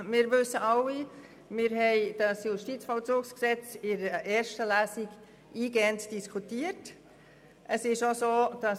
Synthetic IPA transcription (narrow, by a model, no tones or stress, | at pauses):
mɪːɾvʏsəʔɑwi | mɪɾɦɛɪd̥ɑsjuʃtiːt͡sfɔlt͡suːksksɛt͡sɪɾəʔɛːɾʃtəlæːsiɡ | iːɡɛːəntd̥iskʰutiət | ʔəsɪʃosoːd̥ɑ